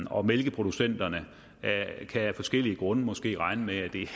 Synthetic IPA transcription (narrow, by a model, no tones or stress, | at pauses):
ɒ̽melɡ̥əpʰʁo̝d̥usen̰d̥ɐnə | kʰæfɒ̽sɡ̥el̰iəɡ̥ʁɔ̽nəmɒ̽sɡ̥e̝̰ːʁɑ̈ɪnəmeæd̥e̝